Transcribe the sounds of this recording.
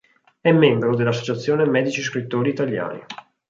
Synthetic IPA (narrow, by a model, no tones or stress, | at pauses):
ɛmːembɾod̪elːas̬ːot͡ʃat̪sːjoːnemɛːd̪it͡ʃiskɾit̪ːoːɾiːt̪alːja̰ːnḭ